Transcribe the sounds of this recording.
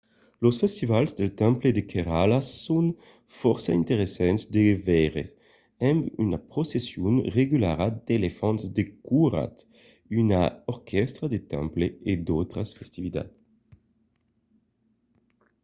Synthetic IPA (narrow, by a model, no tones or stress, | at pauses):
losfɛst̪ivalzd̪elt̪ɛ̃mpled̪ekʰeʁalasun | fɔɾsaint̪eɾesɛnt̪sd̪evɛʁḛs | ɛmy̰napɾosesjunreɡylaɾad̪̥elefɔnzd̪ekuɾa̰t̪ | ynaɔɾkʰɛst̪ɾad̪et̪ɛ̃mpleed̪owt̪ɾasfɛst̪ivit̪a̰t̪